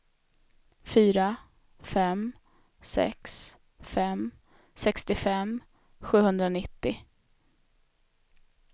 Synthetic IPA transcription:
fyːɾa | fɛm | sɛ̰ks | fɛm | sɛkst̪ɪfɛm | ɧʉ̟ːhɵnd̪ɾanɪt̪ːɪ

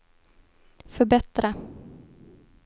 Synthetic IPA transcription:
fœɾbɛt̪ɾa

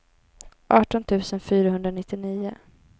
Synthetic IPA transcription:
ʔɑːʈɔnt̪ʰʉ̟ːsənfyːɾaɦɵnd̪ɾanɪt̪ːɪniːʊ̰

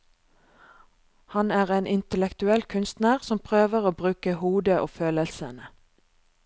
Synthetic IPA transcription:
hɑnæːʁeːnʔɪnt̪əlɛkt̪ʉɛlkʰʉnst̪næʁsɔmpʰʁøːʋəʁoːbʁʉːkəhuːd̪əʔo̰ːføːləlsə̰nə

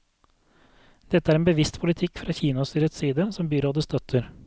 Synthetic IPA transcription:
d̪̥ɛt̪ːəæɾɛnbəʋɪst̪pʰʊlɪt̪ʰɪkːfɾɑːçiːnɑst̪yːɾət̪siːd̪əsɔmbyːɾoːd̪əst̪œt̪ʰəɾ

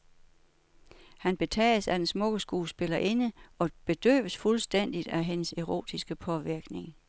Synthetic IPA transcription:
hænb̥e̝t͡sʰɛ̰ːəsæd̥ensmɔ̽ɡ̥əsɡ̥uːsb̥e̝lɐʔe̝nəɒ̽b̥e̝d̥ø̰ːʋəsfulsd̥en̰d̥id̥æɦenəseʁo̝̰ːd̥isɡ̥əpʰɒ̽ʋiɐɡ̥ne̝ŋ

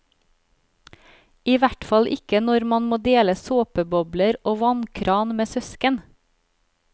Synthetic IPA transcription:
iːʋæʈfɑlʔɪkənɔɾmɑnmoːd̪eːləsoːpəbɔbləɾoːʋɑnkʰɾɑːnmeːsœskən

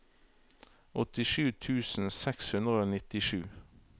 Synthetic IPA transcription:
ʔɔt̪ɪʃʉːt̪ʰʉːsn̩sɛkshʉnd̪ʁəoːnɪt̪ɪʃʉː

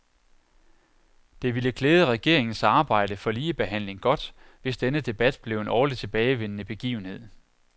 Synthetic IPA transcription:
d̥e̝ʋiləkʰleːð̞ˠəʁɛɡ̥e̝ɐ̰e̝ŋn̩sɑ̈ːb̥ɑ̈ɪ̰d̥əfɒ̽liːəb̥e̝ɦæn̰le̝ŋɡ̥ɒ̽d̥ʋe̝sd̥enəd̥e̝b̥æd̥b̥le̝ʊe̝nɒːli̥t͡sʰe̝b̥ɛːɪʋen̰ənəb̥e̝ɡ̥ḭːʊn̩he̝ð̰ˠ

